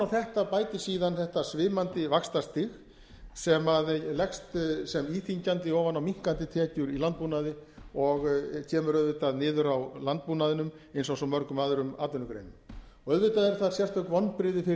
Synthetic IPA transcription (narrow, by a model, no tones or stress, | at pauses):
awθɛht̪apaːjt̪ɪsiːðanθɛht̪asvɪːmant̪ɪvakst̪ast̪ɪx | sɛmaðlɛkst̪sɛmiːθiɲcant̪ɪɔːvanawmiŋ̥kant̪ɪt̪ʰɛːcʏɾilant̪̚puːnaðɪɔɣcʰɛːmʏɾœðvɪt̪aðnɪːðʏɾawlant̪̚puːnaðɪnʏm | ejnsɔsɔmœɾkʏmaːðʏɾʏmaːt̪ʏnːʏkɾḛjnʏm | ɔœðvɪt̪aðɛɾ̥θaðsjɛr̥t̪œkvɔnːpɾɪðɪfɪ